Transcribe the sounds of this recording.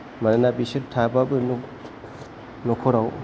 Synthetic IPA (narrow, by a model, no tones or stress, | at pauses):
mananabisɯtʰababɯnuk | nɔkʰɔɾaw